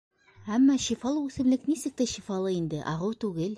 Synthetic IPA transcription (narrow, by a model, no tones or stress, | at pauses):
æmːɑɕifɑlˠɤʉsɘ̆mlɘknisɘ̆k̚t̪æʃifɑlˠɤind̪ɘʔɑʁɤwt̪ʉɡɘl